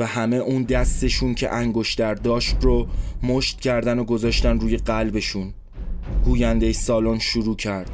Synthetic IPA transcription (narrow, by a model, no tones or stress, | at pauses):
væhæme̞ʔuːnd̪æst̪e̞ʃuːncʰe̞̰ʔæŋɡo̞ʃt̪æɾd̪ɒːʃt̪romoʃt̪cʰæɾd̪ænoɡo̞zɒːʃt̪ænɾuːje̞ɢælbe̞ʃuːn | ɡuːjænd̪e̞jsɒːlonʃuɾuːcʰæɾd̪̥